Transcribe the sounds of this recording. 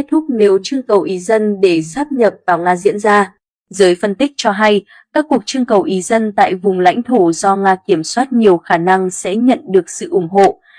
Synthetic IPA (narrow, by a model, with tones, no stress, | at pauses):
e˦˥t̚t̪ʰʊ˦˥k͡p̚ne˨˦wt͡ɕɨ˧əŋkə˨˩wʔi˨˦zə˧nɗe˧˩saː˦˥p̚ɲə˨˩p̚vaː˨˩wŋaː˧zḭ˧˥ənzaː˧ | zəː˨˦jfə˧nt̪ï˦˥k̟̚t͡ɕɔ˧ɦa˧j | kaː˦˥kːu˨˩ək̚t͡ɕɨ˧əŋkə˨˩wʔi˨˦zə˧nt̪a̰ː˧˨jvʊ˨˩ŋ͡mla̰˧˥jŋ̟t̪ʰo˧˩zɔ˧ŋaː˧ki˧˩əmswaː˦˥t̚ɲi˨˩əwxaː˧˩na˧ŋsɛ̰˧˥ɲə̰˧˨nɗɨ˨˩ək̚sɨ̰˧˨ʔʊ˧˩ŋ͡mɦo̰˧˨